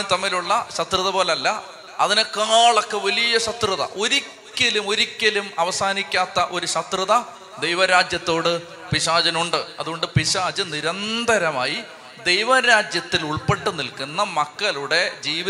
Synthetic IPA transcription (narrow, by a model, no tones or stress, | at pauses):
t̪ɐmːiluɭːɐɕɐt̪rɨðɐboːlɐlːɐ | ɐðinekːaːɭokːeʋɐlijɐɕɐt̪rɨðɐ̰ʔo̞ɾikʲːɐlumo̞ɾikʲːɐlumɐʋɐsaːnikʲːaːt̪ːɐʔo̞ɾuɕɐt̪rɨðɐ | d̪e̞jʋɐɾaːd͡ʑjɐt̪ːo̞ːɽɨ | piɕaːd͡ʑɐnuɳɖɨɐðuɣo̞ɳɖɨpiɕaːd͡ʑɨniɾɐnd̪ʱɐɾɐmaːji | d̪e̞jʋɐɾaːd͡ʑjɐt̪ːiluɭpeʈːunːilkunːɐmɐkːɐluɽe̞d͡ʑiːʋi